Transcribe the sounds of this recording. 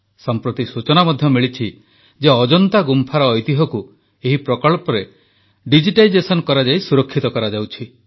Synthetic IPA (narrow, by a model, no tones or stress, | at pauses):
sɔmpɾɔt̪isut͡ʃɔnamɔd̪ʱjɔmiɭit͡ʃʰi | d͡ʒeɔd͡ʒɔnt̪aɡumpʰaɾɔːjt̪iɦɔku | eɦipɾɔkɔɭpɔɾe | ɖid͡ʒiʈajd͡ʒesɔnkɔɾad͡ʒajsuɾɔkʰːit̪ɔkɔɾad͡ʒawt͡ʃʰi